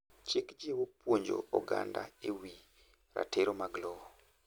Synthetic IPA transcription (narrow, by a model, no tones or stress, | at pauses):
t͡ʃɪkd͡ʒiwopwoɲd͡ʒo̰ɔɡa̰nda̰ewi | ɾa̰teɾomaɡlɔɔ